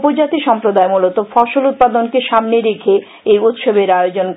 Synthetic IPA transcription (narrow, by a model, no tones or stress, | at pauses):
pod͡ʑat̪iʃɔmpɾod̪aemulot̪ofɔʃolut̪̚pad̪onkeʃamneɾekʰe | ejut̪ʃobeɾajod͡ʑon